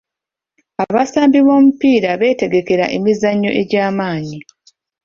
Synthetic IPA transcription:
aβasaːmbiβo̞ːmupiːɾaβe̞ːte̞ɡe̞ke̞ɾa̰ʔe̞mizaɲːo̞̰ʔe̞ɟaːmaːni

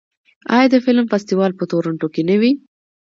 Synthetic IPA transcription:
ɑ̰jɑd̪əfɪlmfast̪iwɑlpət̪oɾaɳʈokenəwi

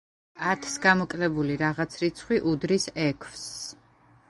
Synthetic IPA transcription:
at̪ʰsɡamɔkʼlɛbuliɾaʁat̪sʰɾit̪sʰχwiʔud̪ɾisɛkʰvs

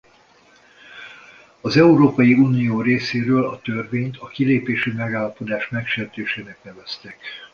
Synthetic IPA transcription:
ɒzɛuɾoːpɒjiuːnijoːɾeːseːɾøːlɒt̪ørveːɲt̪ɒkileːpeːʃymɛɡaːlːɒpo̞d̪aːʃmɛkʃeːrt̪eːʃeːnɛk̚nɛvɛst̪ɛk

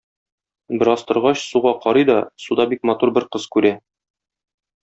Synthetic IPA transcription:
bɘ̆ɾɒst̪ɤ̆ɾʁɑɕsuʁɑqɒɾɤjd̪ɒsud̪ɑbik̚mɒt̪uɾbɘɾqɤz̥kʉɾæ

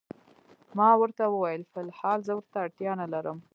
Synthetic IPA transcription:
mɑwəɾt̪awəwajəlfɪlhɑlzəwəɾt̪aːɽt̪jɑnalaɾəm

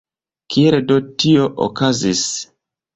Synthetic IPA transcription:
kʰieldotioʔo̰kazis

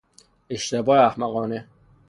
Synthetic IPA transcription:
eʃt̪ebɒːeæhmæɣɒːne

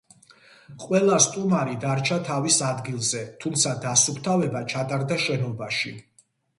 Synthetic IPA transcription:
qʼwɛlˠast̪ʼumaɾid̪aɾt͡ʃʰat̪ʰavisad̪ɡilˠzɛt̪ʰumt̪sʰad̪asupʰt̪ʰavɛbat͡ʃʰat̪ʼaɾd̪aʃɛnɔbaʃi

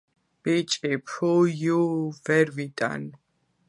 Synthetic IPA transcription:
b̥it͡ʃʼipʰujuvɛɾvit̪ʼa̰n

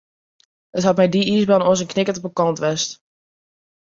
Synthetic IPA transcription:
hətɦɑt̚mɛjdiisbɔnosənknɪkətɔpəkɑntʋɛst

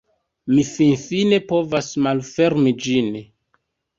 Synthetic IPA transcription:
mifinfine̞po̞vasmalfe̞ɾmid͡ʒin

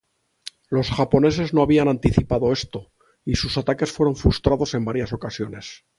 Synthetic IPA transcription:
lo̞sxapo̞ne̞s̬e̞zno̞aβianant̪iθipaðo̞e̞st̪o | isusat̪ake̞sfwe̞ɾo̞ɱfɾust̪ɾaðo̞se̞mbaɾjaso̞kasjo̞ne̞s

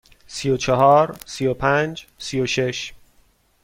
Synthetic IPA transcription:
sijot͡ʃʰeɦɒːɾsijopʰænd͡ʒsijoʃe̞ʃ

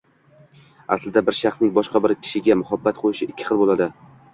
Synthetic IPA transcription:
a̰slɪd̪abɪɾʃɑχsnɪŋbɒʃqɑbɪɾkʲʰɪ̥ʃɪɡʲamʊhabːat̪̚qʰojɪʃɪɪkʲʰːɪ̥χɨlˠbolˠad̪ɪ

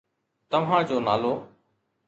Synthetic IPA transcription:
t̪əʋɦãːd͡ʒoːnaːloː

